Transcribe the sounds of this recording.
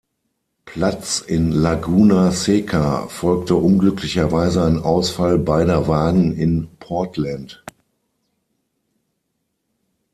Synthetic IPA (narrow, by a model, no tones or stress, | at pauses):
pʰl̥at͡sɪnlaɡuːnaseːkʰa̰fɔlk̚təʔʊnɡlʏkʰlɪçɐvaɪzəaɪnʔaʊsfalbaɪdɐvaːɡŋ̩ɪnpʰɔɐtʰlant